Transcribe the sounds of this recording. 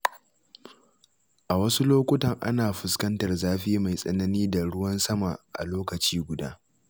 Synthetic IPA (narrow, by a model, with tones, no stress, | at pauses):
ʔa˨wɐ˦su˦loː˦kʷʊ˦tɐ˨ŋʔa̰˦naː˨ɸʊ˨skɐ˦ntɐ˨rzaː˦ɸiː˦ma˨jsʼɐ˦nɐ˦niː˦da˨ɽʊ˦wɐ˦nsɐ˦ma˨ʔa̰˨loː˦kɐ˨t͡ʃiː˦ɡʷʊ˨da̰ː˦